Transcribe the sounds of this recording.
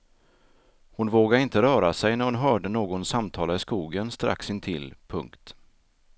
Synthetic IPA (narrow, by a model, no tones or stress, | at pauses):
hʊnvoːɡaɾɪnt̪əɾœːɾasɛjnæɾhʊnɦœːɖənoːɡɔnsamt̪ʰɑːlaɪskuːɡənst̪ɾʔa̰ksɪnt̪ʰɪ̰lpʰɵ̰ŋkt̪